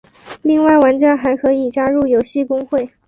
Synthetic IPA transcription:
li˥˧ŋwa˥˩ɪwa˧˥nt͡ɕja˥nxa˧˥ɪkʰɤ˧˥i˨˩t͡ɕja˥ɻu˥˩jo˧˥ʊɕi˥˩kʊ˥ŋxwe˥˩ɪ

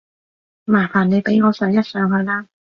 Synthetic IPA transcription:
maː˨˩faː˨˩ne˨˧jpe˨˥jŋɔː˨˧sœː˨˥ŋjɐ˥t̚sœː˨˥ŋɦɵ˨˧ɥlaː˥

